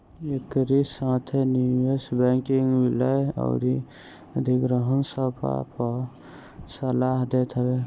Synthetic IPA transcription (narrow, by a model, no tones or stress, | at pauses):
ekɾisãt̪ʰeniwesbeŋkiŋɡwilajɔ̰ʊɾi | əd̪ʱiɡɾəɦənsəpʰa̰pə | səlaɦd̪et̪ʰəbe